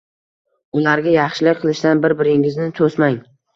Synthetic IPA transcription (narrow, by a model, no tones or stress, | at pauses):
ʊlaɾɡʲajɑχʃɪlɪk̚ʲqʰɨlˠɪʃd̪anbɪɾbɪɾɪŋɪznɪt̪ʰosmaŋ